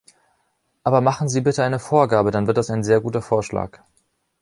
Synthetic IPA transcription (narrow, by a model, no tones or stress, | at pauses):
ʔaːbɐmaχn̩ziːbɪtəaɪnəfoːɐɡaːbədanvɪɐtd̥asaɪnzeːɐɡuːtɐfoːɐʃla̰ːk